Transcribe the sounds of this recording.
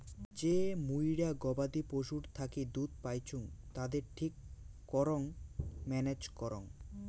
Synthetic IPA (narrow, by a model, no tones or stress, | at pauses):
d͡ʑemujɾaɡɔbad̪ipoʃuɾt̪ʰakid̪ud̪̚pajt͡ɕʰuŋt̪ad̪eɾʈʰikː | ɔɾoŋmɛned͡ʑkɔɾo̰ŋ